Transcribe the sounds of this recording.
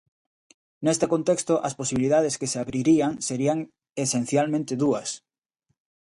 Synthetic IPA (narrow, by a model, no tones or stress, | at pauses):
nest̪ekont̪ekst̪oʔɐsposiβiliðaðeskeseaβɾiɾiaŋseɾiaŋ | esen̟θjalmẽnt̪eðuɐs